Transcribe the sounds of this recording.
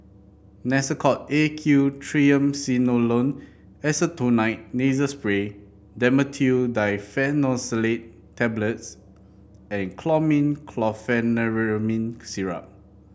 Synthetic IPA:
nɛsəkʰɔt̚ekʰjutʰɹiə̃msinolõn | ɛsətunaɪt̚nizəspɹe | dɛ̃mətʰudajfɛnɔsəletʰː | ɛbləts | ɛ̃nkʰlɔmĩnkʰlɔfɛnəɹmĩnsiɹa̰p̚

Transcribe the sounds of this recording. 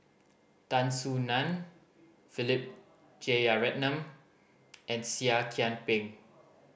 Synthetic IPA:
tãnsunãn | filip̚ | d͡ʒeaɹɛt̚nãm | ʔɛ̃nsiakʰɛ̃npɪ̃ŋ

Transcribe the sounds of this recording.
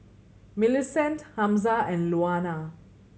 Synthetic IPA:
mɪlɪsɛ̃nthãmzaɛ̃nɖluaːna

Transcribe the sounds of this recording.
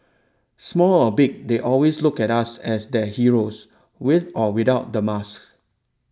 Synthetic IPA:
smɔlɔbik̚deʔɔlweslukɛtasɛsdɛhiɹos | wɪθɔwidaʊt̚dəmask

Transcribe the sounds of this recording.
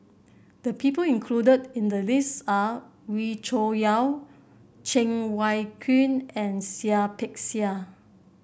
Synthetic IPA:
d̥əpʰipəlĩnkʰludədĩndəlistawit͡ʃojaw | t͡ʃɛ̃ŋwajkʰĩnɛ̃nsiapʰɛksia

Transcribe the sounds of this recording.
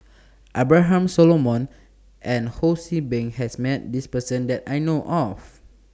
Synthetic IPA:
ʔabɹaɦãmsɔlomɔ̃n | ʔɛ̃nhosibɛ̃ŋhɛsmɛt̚dispəsə̃ndɛtajnoʔɔf

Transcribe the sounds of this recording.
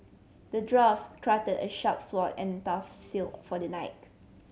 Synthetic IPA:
dədɹafkʰɹatədə̰ʃap̚swɔtɛ̰̃ntafsilkfɔdənaɪt̚

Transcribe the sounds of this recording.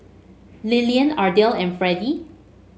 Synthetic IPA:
liliə̃nadɛlɛ̃nfɹɛdi

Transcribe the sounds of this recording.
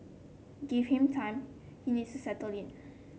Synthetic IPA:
ɡiv̥hĩmtʰãɪ̃m | hinidstusɛtəlɪ̃n

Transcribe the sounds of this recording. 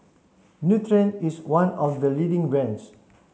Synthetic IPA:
njut̪ɹɛ̃niswãnɔfd̪əlidɪ̃ŋɹɛ̃ns

